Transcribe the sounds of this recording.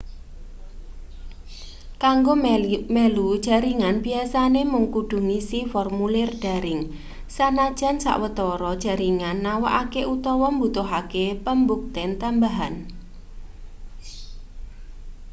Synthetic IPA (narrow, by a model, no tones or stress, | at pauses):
kaŋɡomɛlud̥ʒ̥a̤ɾiŋanbiasanemuŋkuɖ̪̥ṳŋisifɔrmulɪrɖ̥a̤ɾɪŋ | sanad̥ʒ̥a̤nsa̰ʔwət̪ɔɾɔd̥ʒ̥a̤ɾiŋanːawaʔakeut̪ɔwɔmbut̪ʊɦakepəmbuk̚t̪ɛnt̪ambaɦan